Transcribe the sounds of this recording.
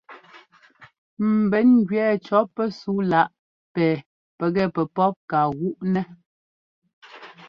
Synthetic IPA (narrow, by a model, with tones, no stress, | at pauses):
m̩˨bɛ˨˦nɡɥɛː˦˨t͡ʃɔ˨˦pːɛ˦su˨˦la˦ʔ | pɛː˨ | pɛ˨ɣɛ˦˨pɛ˨pɔ˦p̚ka˨ɣu˦ʔnɛ˦